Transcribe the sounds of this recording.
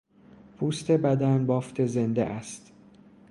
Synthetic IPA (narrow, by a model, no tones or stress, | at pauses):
pʰuːst̪e̞bæd̪ænbɒːft̪ʰe̞zend̪ḛʔæst̪